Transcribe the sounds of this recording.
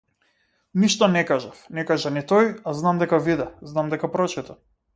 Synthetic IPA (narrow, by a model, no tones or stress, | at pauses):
niʃt̪ɔnɛkaʒafnɛkaʒanit̪ɔjaznamd̪ɛkavid̪ɛznamd̪ɛkapɾɔt͡ʃit̪a